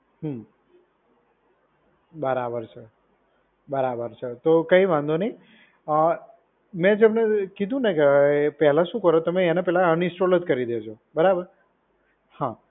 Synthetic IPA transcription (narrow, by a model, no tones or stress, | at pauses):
ɦu | bəɾabəɾt͡ʃʰe | bəɾabəɾt͡ʃʰet̪okəiʋãnd̪onəi | ə | mɛ̃d͡ʒemnekid̪ʱũnekpɛɦlaʃũkəɾot̪əmeːnepɛɦlaənɪ̃sʈolət̪kəɾid̪et͡ʃʰo | bəɾabəɾ | hã